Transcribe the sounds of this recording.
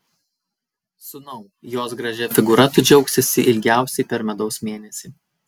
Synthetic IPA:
sʊnɐʊ | joːsɡɾɐʒʲɛfʲɪɡʊɾɐt̪ʊd͡ʒʲɛʊksʲɪsʲɪʔɪlʲɡʲæˑʊsʲɛɪpʲɛɾmʲɛd̪ɒʊsmʲeːnʲɛsʲiː

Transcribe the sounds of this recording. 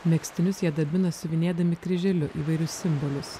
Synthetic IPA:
mʲɛksʲt̪ʲɪnʲʊsjiɛd̪ɐbʲɪnɐsʊʋʲɪnʲeːd̪ɐmʲɪkɾʲɪʒʲɛlʲʊʔiːʋɐɪɾʲʊsʲsʲɪmbɔlʲʊs

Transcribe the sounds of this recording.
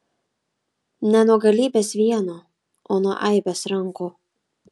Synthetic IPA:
nʲɛnuɔɡɐlʲiːbʲeːsʋʲiɛnoː | oːnuɔʔɐɪbʲesɾɐŋkuː

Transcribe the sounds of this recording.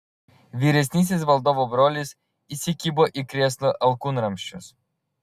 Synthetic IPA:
ʋʲiːɾʲɛsʲnʲiːs̬ʲɪsʋɐlˠd̪oːʋobɾoːlʲis | isʲɪkʲiːboːʔikɾʲeːslˠoʔɐlˠkuːnɾɐmʲʃʲt͡ʃʲʊs

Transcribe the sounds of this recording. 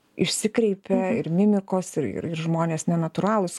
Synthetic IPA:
ɪʃʲsʲɪkɾʲɛɪpʲɛɪɾmʲɪmʲɪkoːsɪɾɪ̰ɾɪrʒmoːnʲeːsnʲɛnɐt̪ʊɾɑːlˠʊsʲ

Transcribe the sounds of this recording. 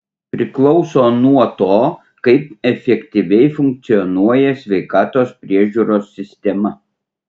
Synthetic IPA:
pʲɾʲɪklˠɒʊsoːnuɔt̪oː | kɐɪp̚ɛfʲɛkʲt̪ʲiʋʲɛɪfʊŋk̚t̪sʲɪjɔnuɔjɛsʲʋʲɛɪkɑːt̪oːspʲɾʲiɛʒʲuːɾoːsːʲɪsʲt̪ʲɛmɐ

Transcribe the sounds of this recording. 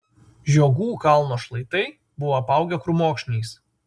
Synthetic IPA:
ʒʲoːɡuːkɐlˠnoːʃlˠɐɪt̪ɐɪ | bʊʋoːɐpɑˑʊɡʲɛkɾʊmoːkʃʲnʲiːs

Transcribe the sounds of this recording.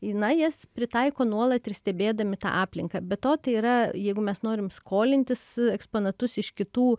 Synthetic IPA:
ɪnɐjɛspʲɾʲɪt̪ɐɪkoːnuɔlˠɐt̪ɪrsʲt̪ʲɛbʲeːd̪ɐmʲɪt̪ɑ̰ːʔɑːpʲlʲɪŋkɐːbʲɛt̪oːt̪ɐɪiːɾɐjɛɪɡʊmʲɛsnoːɾʲɪmskʰoːlʲɪnʲt̪ʲɪsɛkspoːnɐt̪ʊsɪʃkʲɪt̪uː

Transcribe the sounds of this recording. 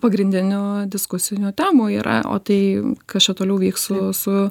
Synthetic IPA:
pɐɡɾʲɪnʲd̪ʲɪnʲoːd̪ʲɪskʊsʲɪnʲʊːt̪ʲæːmuːiːɾɐ̰ʔo̰ːt̪ɐɪkɐst͡ʃʲɛt̪oːlʲɛʊʋʲiːksssʊsʊ

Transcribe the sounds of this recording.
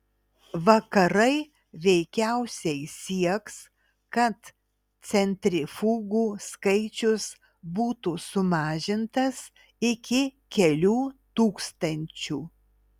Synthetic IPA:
ʋɐkɐɾɐɪ | ʋʲɛɪkʲæʊsʲɛɪsʲiɛks | kɐt̪ | sʲɛnʲt̪ʲɾʲɪfuːɡuːskɐɪt͡ʃʲʊs | buːt̪uːsʊmɑːʒʲɪnt̪ɐs | ɪkʲɪ | kʲɛlʲuːt̪uːkst̪ɐnʲt͡ʃʲuː

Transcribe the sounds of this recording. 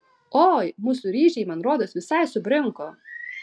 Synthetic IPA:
oːjmuːsʊɾʲiːʒʲɛɪmɐnɾoːd̪osʋʲɪsɐɪsʊbʲɾʲɪŋkoː

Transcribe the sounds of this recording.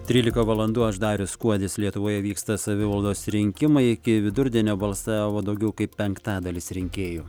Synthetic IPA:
t̪ʲɾʲiːlʲɪkɐʋɐlˠɐnd̪uːɐʒd̪ɑːɾʲʊskuɔd̪ʲɪslʲiɛt̪ʊʋoːjɛʋʲiːkst̪ɐsɐʋʲɪʋɐlˠd̪oːsɾʲɪŋʲkʲɪmɐɪɪkʲɪʋʲɪd̪ʊɾʲd̪ʲɛnʲoːbɐlˠsɑːʋod̪ɐʊɡʲɛʊkɐɪpːʲɛŋkt̪ɑːd̪ɐlʲɪsɾʲɪŋʲkʲeːju

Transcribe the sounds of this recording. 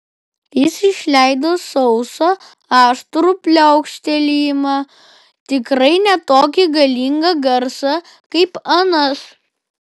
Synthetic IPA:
jɪsɪʃʲlʲæˑɪd̪oːsɔʊso | ɑːʃt̪ɾupʲlʲoɐʊkʃʲt̪ʲɛlʲiːmɑ | t̪ʲɪkɾɐɪnʲɛt̪oːkʲɪɡɐlʲiŋɡɐɡɐɾsɐ | kɐɪpɐnɐs

